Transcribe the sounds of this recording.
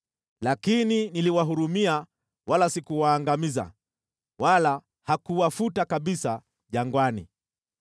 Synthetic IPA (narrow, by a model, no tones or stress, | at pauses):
lakininiliwaɦuɾumia | walasikuwaːŋɡamiza̰ | wala | hakuwafutakaɓisa | ʄaŋɡwanḭ